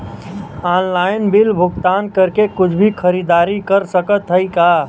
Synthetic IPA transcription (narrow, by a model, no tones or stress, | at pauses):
aːnlaːɪnbɪlbʱʊɡt̪aːnkəɾkekʊt͡ʃʰbʱikʰəɾiːd̪aːɾikəɾsəkət̪ɦəikaː